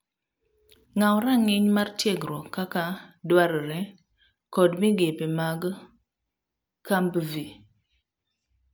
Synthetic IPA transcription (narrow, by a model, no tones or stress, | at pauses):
ŋawɾaŋiɲmaɾtjeɡɾokakadwaɾəɾe | kɔdmiɡepemaɡə | kambəvi